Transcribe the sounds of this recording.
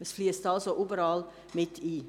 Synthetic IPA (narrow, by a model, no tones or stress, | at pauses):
əsfliəstɑlsoʔybəɾɑːl | mɪtʰiː